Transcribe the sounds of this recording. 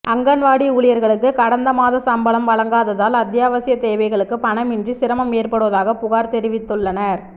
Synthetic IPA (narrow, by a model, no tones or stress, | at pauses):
ɐŋɡɐnʋaːɽiuːɭɪjɐɾɣɐɭɯkːɯkɐɽɐnd̪ɐmaːðɐsɐmbɐɭɐmʋɐɭɐŋɡaːðɐðaːlɐd̪jaːʋɐsɪjɐt̪eːʋɐɪɣɐɭɯkːɯpɐɳɐmɪndrisɪɾɐmɐmeːrpɐɽɯʋɐðaːɣɐpʊɣaːɾt̪ɛɾɪʋɪt̪ːɯɭːɐnɐɾ